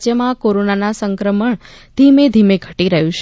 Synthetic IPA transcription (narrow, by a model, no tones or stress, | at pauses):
d͡ʒjəmãkoɾonanasəŋkɾəməɳ | d̪ʱimed̪ʱimeɡʱəʈiɾəɦũt͡ʃʰ